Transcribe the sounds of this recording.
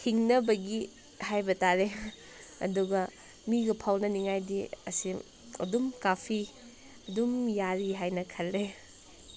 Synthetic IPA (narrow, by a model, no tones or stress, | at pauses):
hiŋnɐbɐɡi | hajbɐtaɾe | ɐ̰duɡɐ | miɡɐpʰawnɐniŋajdiɐsi | ɐ̰dumkapʰi | ɐdumjaɾiɦajnɐkʰɐlːe